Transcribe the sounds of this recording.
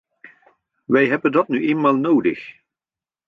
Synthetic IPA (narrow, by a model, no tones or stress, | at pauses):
ʋɛjɦɛbəndɑtnyʔeːnmaːlˠnoːwdə̰x